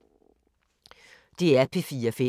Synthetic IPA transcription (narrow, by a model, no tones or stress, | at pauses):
d̪̥eːæːpʰeːfiːəfɪ